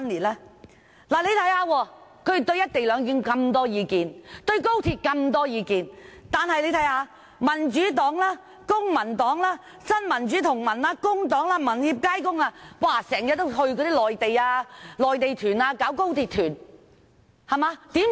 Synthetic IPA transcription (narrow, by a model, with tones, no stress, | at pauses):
nliː˨˩t̚lɛː˥ | laː˨˩le˨˧jt̪ʰɐ˨˥jhaː˧wɔː˧kʰɵ˧˥˨t̪ɵ˧ɥjɐ˥t̚t̪e˨jlœː˨˧ŋki˨˧nkɐ˧mt̪ɔː˥jiː˨˧kiː˨nt̪ɵ˧ɥko˥wt̪ʰiː˧t̚kɐ˧mt̪ɔː˥jiː˨˧kiː˨nt̪aː˨nhɐ˨jle˨˧jt̪ʰɐ˨˥jhaː˨˧ | mɐ˨˩nt͡ʃyː˨˥t̪ɔː˨˥ŋlaː˥ | kʊ˥ŋmɐ˨˩nt̪ɔː˨˥ŋlaː˥ | sɐ˥nmɐ˨˩nt͡ʃyː˨˦˥t̪ʰʊ˨˩ŋmɐ˨˩naː˧kʊ˥ŋt̪ɔː˨˥ŋlaː˥mɐ˨˩nhiː˧p̚kaː˥jkʊ˥ŋaː˧waː˧˩sɛː˨˩ŋjɐ˨˥t̚t̪ːo˥wɦɵ˧ɥk̬ɔː˨˧t̪iː˥lɔː˨jt̪e˨jaː˧lɔː˨jt̪e˨jt̪ʰyː˨˩naː˧kaː˨˥wko˥wt̪ʰiː˧t̪̚ʰyː˨˩n | hɐ˨˩maː˨˧˥t̪iː˨˥m